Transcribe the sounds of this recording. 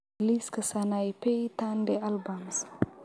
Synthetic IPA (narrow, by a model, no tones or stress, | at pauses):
liskəsanajpejt̪andɛʔalbams